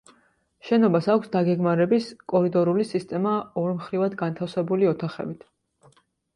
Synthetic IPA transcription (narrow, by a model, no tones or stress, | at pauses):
ʃɛnɔbasakʷʰsd̪aɡɛɡmaɾɛbiskʼɔɾid̪ɔɾulisist̪ʼɛmaɔɾmχɾivad̪ɡant̪ʰafsɛbuliɔt̪ʰaχɛ̰bit̪ʰ